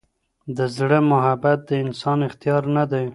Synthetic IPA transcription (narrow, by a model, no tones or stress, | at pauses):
d̪əzɽəmʊɦabat̪̚d̪əɪnsɑnɪxt̪ijɑɾnad̪aj